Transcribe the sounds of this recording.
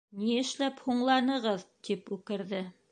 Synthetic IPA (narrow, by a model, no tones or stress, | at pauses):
niɘ̆ʃlæphuɴlˠɑnɤ̆ʁɤðt̪ipʉkɘ̆ɾðɘ